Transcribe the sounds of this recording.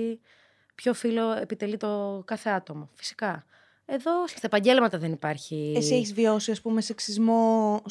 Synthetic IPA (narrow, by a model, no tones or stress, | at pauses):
pço̞filo̞epit̪e̞lit̪o̞kɐθe̞ɐt̪o̞mofi̥si̥kɐ | e̞ðo̞sst̪ɐepɐɲɟe̞lmɐt̪ɐðe̞nipɐɾçiesieçizvio̞siɐspumeseksizmo̞